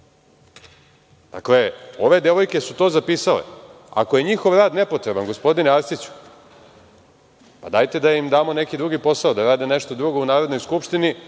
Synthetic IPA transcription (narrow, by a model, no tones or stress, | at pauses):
d̪̥a̰kle̞o̞ʋe̞d̪e̞ʋo̞jke̞sut̪o̞ːzapiːsalḛ | a̰koje̞ɲixo̞ʋɾaːd̪ne̞po̞t̪ɾe̞banɡo̞spo̞d̪ineaɾsit͡ɕu̥ | pad̪aːjt̪e̞d̪aimd̪aːmo̞ne̞kid̪ɾuɡipo̞saod̪aɾaːd̪ene̞ʃt̪o̞d̪ɾuɡo̞unaːɾo̞d̪no̞jskupʃt̪ini